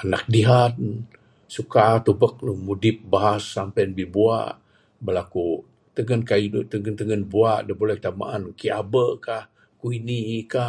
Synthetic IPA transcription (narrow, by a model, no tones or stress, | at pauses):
ana̰k̚diɦat̪ | sukat̪ubək̚nəmudɪp̚baɦasːampajnbibua̰ʔ | bəlaku | t̪əŋənkaidt̪əŋənt̪əŋənbuaʔdəbolɛhkə̥t̪ama̰ʔankiabəkah | kuinika